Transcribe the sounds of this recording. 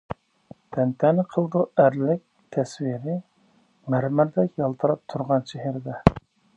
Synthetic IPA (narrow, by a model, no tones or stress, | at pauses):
d̪̥ɛnt̪ʰɛnɨqʰəlˠd̪uæɾlɪk̚ʲ | t̪ʰɛswiɾɪ | mæɾmæɾd̪ɛkʲjɑlˠt̪ʰɨɾɑp̚t̪ʰːuɾʁɑnʃʰehɪɾd̪ɛ